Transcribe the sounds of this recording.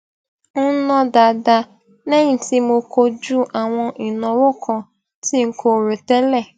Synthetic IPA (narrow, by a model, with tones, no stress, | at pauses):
n̩˦nɔ̃˦da˨da˧ | nɛ̃˦ĩ˨ti˦mo˧ko˦d͡ʒu˦ʔa˨w̃ɔ̃˧i˨nɔ̃˨wʊ˦kʰɔ̃˨ | ti˦ŋ̩˦kʰo˦˨ɾo˨tɛ˦lɛ˦˨